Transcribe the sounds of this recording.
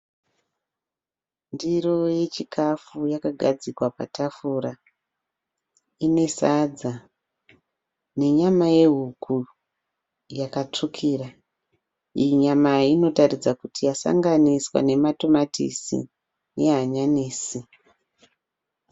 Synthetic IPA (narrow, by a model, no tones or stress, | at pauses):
ndiro̞je̞t͡ʃikʰafujakaɡʱad͡zikwapa̰tafuɾa | ine̞sad͡za | ne̞ɲamaje̞ɦuku | jakat͡ʂukʰiːra | iiɲamaino̞tarid͡zakutijasa̰ŋɡaniswa̰ne̞mato̞matḭsḭ | neɦaɲaniːsi